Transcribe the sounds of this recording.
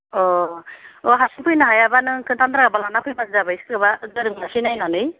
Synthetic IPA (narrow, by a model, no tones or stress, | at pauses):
ɔ | ɔɦasinpɯjnaɦajabanɯkʰɯntand̪ɾaɡabalanapʰɯjbanzabajstɡɯβazɯɾɯŋnasinajnanɯj